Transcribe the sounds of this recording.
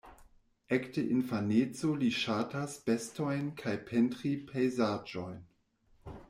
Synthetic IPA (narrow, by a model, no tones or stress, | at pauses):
ʔɛktəʔinfanet͡soliʃatasb̥ɛstojnkʰajpʰɛntʁipʰejzaːd͡ʒojn